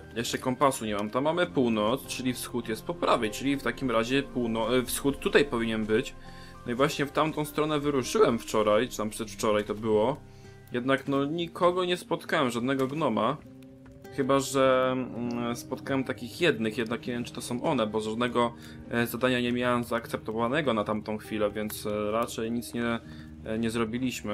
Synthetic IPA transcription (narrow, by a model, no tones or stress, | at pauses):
jɛʂt͡ʂɛkɔmpasuɲɛmamt̪amːamɘpuwnɔt̪st͡ʂɘlʲifsxut̪jɛst̪̚pɔpɾavɛjt͡ʂɘlʲift̪akʲimɾaʑɛpuwnɔfsxut̪ːut̪ajpɔvʲiɲɛnbɘt͡ɕ | nɔivwaɕɲɛft̪amt̪ɔ̃w̃st̪ɾɔnɛvɘɾuʂɘwɛmft͡ʂɔɾajt͡ʂɨt̪ampʂɛʂft͡ʂɔɾajt̪ɔbɘwɔ | jɛd̪naknɔɲikʰɔɡɔɲɛspɔt̪kawɛmʐad̪nɛɡɔɡnɔma | xɘbaʐɛ | spɔt̪̚kawɛmt̪akʲixjɛd̪nɘxjɛd̪nakɲɛvʲjɛmt͡ʂɘt̪ɔsɔ̃w̃ʔɔnɛbɔzʐad̪nɛɡɔ | zad̪aɲaɲɛmʲjawɛmzaːkt̪sɛp̚t̪ɔvanɛɡɔnat̪amt̪ɔ̃w̃xfʲilɛvʲjɛnt̪sɾat͡ʂɛjɲit̪sɲɛ | ɲɛzɾɔbʲilʲiɕmɘ